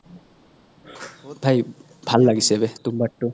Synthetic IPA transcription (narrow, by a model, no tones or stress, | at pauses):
bʱaj | bʱalːaɡisebet̪umbɐʈːu